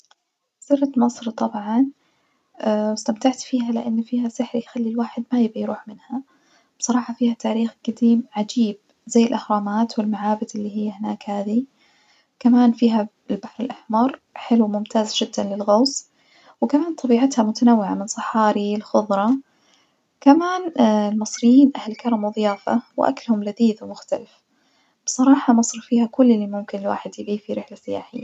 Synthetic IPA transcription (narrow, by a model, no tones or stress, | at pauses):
sɪrːt̪mɑsˤɾit̪ˤɑbʕɑn | wɪst̪amt̪aʕt̪fiːɦalɪ̰ʔanːfiːhasɪħɾijxalːilwaːħɪd̪majɪbʔajɾuːħmɪnha | b̥sˤɑɾˤɑːħɑfiːhat̪aːɾiːxɡ̥ad̪iːmʕad͡ʒiːb̚ | zajːɪlʔɪxɾˤɑːmaːt̪wɪlmaʕaːbɪd̪ʔɪlːiɦɪjːhɪnaːkhaːði | kamaːnfiːɦa | ɪlbaħɾɪlʔaħmɑɾˤħɪluwmʊmt̪ʰaːzʒɪd̪ːanlɪlɣɑːs | wkamaːnt̪ˤɑbiːʕat̪hamʊt̪anawːɪʕamɪnsˤɨħɑːɾilxʊðˤɾˤɑ | kamaːnlmɨsˤɾɪjːiːnʔahlkɑɾˤɑmwðˤjaːfa̰wʔa̰klhʊmlaðiːðwmʊxt̪alɪf | b̥sˤɑɾˤɑːħɑmɑsˤɾfiːhakʊlːɪlːimʊmkɪnlwa̰ːħɪd̪jɪbiːfiɾɪħlasɪja̰ːħɪ̰jːa̰